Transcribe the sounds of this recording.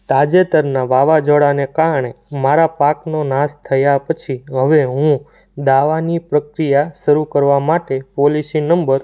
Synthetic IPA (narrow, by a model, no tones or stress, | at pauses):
t̪ad͡ʒet̪əɾnaʋaʋad͡ʒoɽanekaɾəɳ̃emaɾapaknonãst̪ʰəjapət͡ʃʰiɦəʋeɦũ | d̪aʋanipɾəkɾijaʃəɾukəɾʋamaʈepolisĩnəmbəɾ